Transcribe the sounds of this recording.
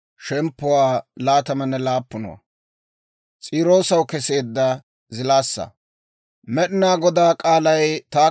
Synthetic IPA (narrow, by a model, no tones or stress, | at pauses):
ʃɛmpːʊwaːlaːt̪ɐmɐnːɛlaːpːʊnɔ̰wɐ̰ | t͡sʼiːɾo̞ːsɐwkɛse̞ːd̪ːɐ | zɪlaːsːɐ̰ | mɛɗɪnaːɡɔd̪aːkʼaːlɐjt̪aː